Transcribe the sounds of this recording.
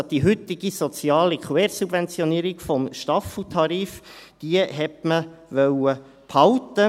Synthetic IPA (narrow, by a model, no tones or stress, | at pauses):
d̥iɦʏt̪ɪɡ̥isɔt͡sjɑːlikʰwɛːɾsub̥vɛnt͡sjɔniːɾikfɔmʃtɑfl̩t̪ʰɑɾiːfd̥iəɦɛtməʋœwə | phɑwt̪ːə